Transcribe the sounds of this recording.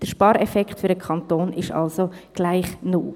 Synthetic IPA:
d̥əʃpɑːɾɛfɛkχtfʏɾdəkʰɑnt̪oːnɪʃɑ̰lsoɡ̥laɪχnuː

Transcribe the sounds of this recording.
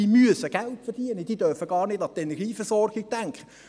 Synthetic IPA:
iːmyəsəɡ̥æltfɛrd̥iənəd̥iːd̥œrfəɡɑːrnɪdɑt̪ɛnɛʁɡiːfəɾsɔrɡɪɡ̚d̥æŋkχə

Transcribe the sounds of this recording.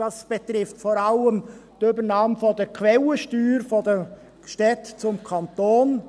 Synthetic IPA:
ɑsb̥et̪ɾɪftfɔːɾɑləmtʏbəɾnɑːmfɔdəɾkʰʋɛləʃtyːɾfɔdə | ʃtɛtt͡sʊmkʰɑnt̪oːn

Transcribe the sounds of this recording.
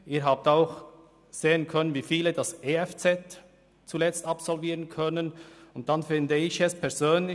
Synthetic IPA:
ʔiːɾɦaːp̚taʊx | z̥eːənkʰœnənviːfiːlədaseːɛft͡sɛt | t͡sulɛt͡stɑpsɔlviːʁənkʰœnənʊnt̚d̥anfɪndəɪçɛspʰɛɐɾz̥øːnlɪ

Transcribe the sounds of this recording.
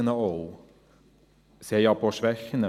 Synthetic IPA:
ənəoʊ | seːjæɪpʰoːʃʋɛxənə

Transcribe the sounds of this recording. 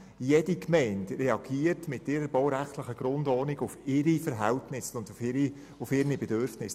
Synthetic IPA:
jɛd̥ikmɛɪntrɛɑɡiətmɪtːɪɾəɾbɔwɾæχtləχəɡ̥ɾʊndɔːnɪɡʊfɪɾifəɾɦæltnɪsʊndi | ʊfɪɾnibɛdøɾfnɪs

